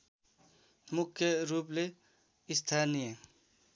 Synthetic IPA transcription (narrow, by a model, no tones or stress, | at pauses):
mʊkʰːjəɾuːple | ɪst̪ʰaːnijə